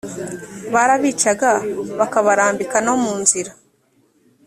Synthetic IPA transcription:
βaɾaβiːt͡ʃaɡaβakaβaɾaːmbikanomuːnziɾa

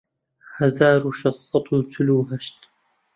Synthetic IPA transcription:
hazaːɾuʃɑsˤːɑt̪ʰˤut̪ʰʊluːɦaʃt̪

